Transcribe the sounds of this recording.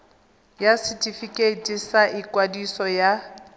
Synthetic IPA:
jasɪtʼifikʼetʼisaʔikʼwadisɔja

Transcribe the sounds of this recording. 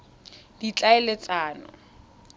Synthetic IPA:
dit͡ɬʼaɛlet͡saːnɔ̰

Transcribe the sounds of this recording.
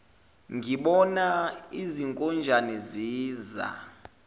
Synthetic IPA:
ŋɡʱiɓɔnaiziŋkʼɔnd͡ʒʱanɛziːza̰

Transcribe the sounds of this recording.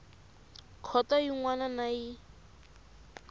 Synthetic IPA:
kʰɔtaiŋwananai

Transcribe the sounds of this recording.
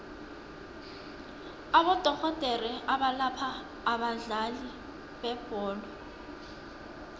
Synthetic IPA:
abɔd̥ʱɔɣɔd̥ʱɛrɛaɓalapʰaː | ɓaɮali | bɛb̥ʱɔːlɔ

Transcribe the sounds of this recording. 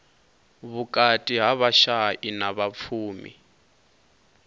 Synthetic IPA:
βukʼatʼiɦaβaʃaʔinaβap̪fʰuːmḭ

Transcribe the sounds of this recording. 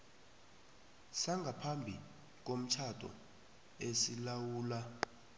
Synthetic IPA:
saŋɡʱapʰambʱi | k̬om̩t͡ʃʰatʰʼɔ̰ | esilawuːla

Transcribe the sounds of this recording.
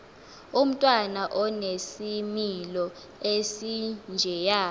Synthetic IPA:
um̩tʼwanaʔɔnesimilɔ | esind͡ʒʱɛjaː

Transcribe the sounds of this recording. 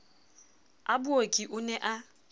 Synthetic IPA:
abʊokʼiʔʊnɛʔa

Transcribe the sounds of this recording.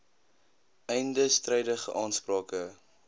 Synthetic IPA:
ɛjndəstrɛjdəχə̰ʔɑːnsprɑːkə

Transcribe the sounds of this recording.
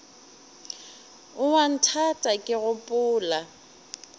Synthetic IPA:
ʊwan̩tʰatʼakʼɪɣʊpʼʊːla

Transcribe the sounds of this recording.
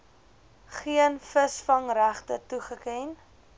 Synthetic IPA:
χiənfəsfɐŋɾæχtətuχəkɛn

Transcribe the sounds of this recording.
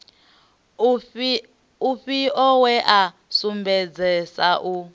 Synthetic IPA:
uɸiɔwɛʔa | sumbɛd͡zɛsaʔu

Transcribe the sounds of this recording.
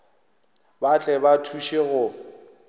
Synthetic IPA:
bat͡ɬʼɛbatʰuʃeɣʊ

